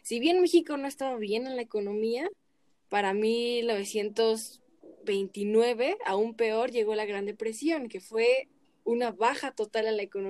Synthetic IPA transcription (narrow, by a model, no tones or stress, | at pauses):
siβje̞nme̞xiko̞no̞e̞st̪aβaβje̞nenlaeko̞no̞mia | paɾamilno̞β̞e̞sje̞nt̪o̞z | βe̞jnt̪inwe̞βe̞aumpe̞o̞ɾʝe̞ɣo̞laɣɾand̪epɾe̞sjo̞ŋke̞fwe̞ | unaβaxat̪o̞t̪alenlaekon